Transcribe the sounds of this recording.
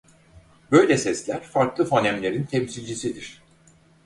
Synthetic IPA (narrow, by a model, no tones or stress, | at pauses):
bø̞jlʲɛsɛslʲæɾ̥faɾklˠɯfonɛmlʲe̞ɾint̪ʰɛmsilʲd͡ʒisid̪iɾ̥